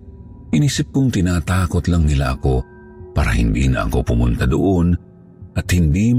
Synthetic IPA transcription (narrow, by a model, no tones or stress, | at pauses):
ʔɪniːsɪp̚kʊŋt̪ɪnaːt̪aːkot̪laŋnɪla̰ʔɐko̞ | pa̰ːɾɐ̰hɪ̰nd̪ḭːnɐ̰ʔɐ̰ko̞pʊmʊnt̪ad̪oʔon | ʔɐt̪hɪnd̪iːm